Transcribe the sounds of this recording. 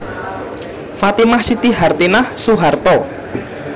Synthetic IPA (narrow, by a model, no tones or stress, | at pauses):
fat̪imahsit̪iɦart̪inahsuɦart̪ɔ